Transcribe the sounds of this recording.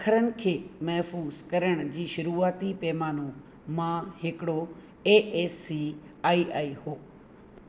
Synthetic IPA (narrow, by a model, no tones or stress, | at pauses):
ɐkʰəɾənɪ̆kʰeːmɐɦfuːzkɐɾəɽ̃d͡ʑiːʃʊɾuːaːt̪ipɛːmaːnũ | mãɦɪkɪɽo | eːʔeːsːiː | aːiʔaːiɦoː